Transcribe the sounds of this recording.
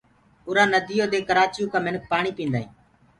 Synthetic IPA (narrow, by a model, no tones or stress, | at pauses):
ʊɾãːnəd̪ɪjoːd̪eːkəɾaːt͡ʃjũːkãːmɪnək̚ʰpaːɳiːpĩːnd̪aːḭ̃ː